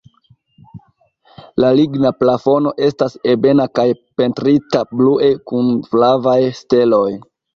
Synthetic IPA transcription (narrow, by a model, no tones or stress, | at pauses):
laliɡnaplafo̞no̞ʔe̞stase̞be̞nakajpe̞ntɾitabluʔe̞kunflavajste̞lo̞j